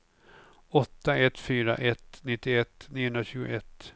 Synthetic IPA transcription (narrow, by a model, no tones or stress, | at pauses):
ɔt̪ːaɛt̪fyːɾa̰ʔɛt̪nɪt̪ːɪɛt̪ːniːʊɵnɾaɕʉ̟ːɡʊ̰ɛt̪ː